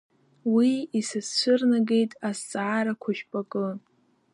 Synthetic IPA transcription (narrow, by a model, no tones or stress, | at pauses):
wiisɨst͡ʃʷʰɨrnaɡe̞jtʼast͡sʼaaɾakʷʰaʃᶣpʼakʼɨ